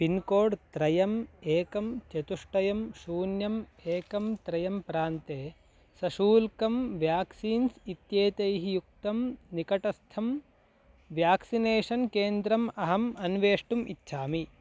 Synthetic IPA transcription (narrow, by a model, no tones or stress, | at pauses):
pinkoːɖt̪ɾɐjɐmeːkɐmt͡ʃet̪uʂʈɐjɐmʃuːnjɐmeːkɐmt̪ɾɐjɐmpɾaːnt̪eː | sɐʃuːlkɐmʋjaːksiːnsit̪jeːt̪ɐjɦijuk̚t̪ɐmnikɐʈɐst̪ʰɐm | ʋjaːksineːʂɐnkeːnd̪ɾɐmɐɦɐmɐnʋeːʂʈumʔit̪ːʃʰaːmi